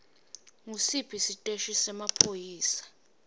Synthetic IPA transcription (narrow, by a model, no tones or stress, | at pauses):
ŋusibʰʱisitʼeʃisɛmapʰojiːsḁ